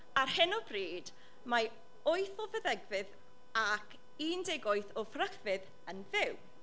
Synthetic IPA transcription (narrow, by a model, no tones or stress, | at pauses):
arhɪnɔbriːd | ma | oɨθɔvəðɛɡvɨð | akʰ | iːndɛɡɔjθɔfrəkvɨð | ənðɪw